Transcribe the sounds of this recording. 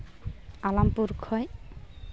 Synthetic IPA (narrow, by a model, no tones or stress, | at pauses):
alampuɾkʰɔj